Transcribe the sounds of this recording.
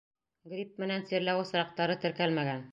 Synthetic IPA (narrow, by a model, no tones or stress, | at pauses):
ɡɾʲip̚mɘ̆nænsiɾlæwɤsɾɑq̚t̪ɑɾɤt̪ɘ̆ɾkælmæɡæn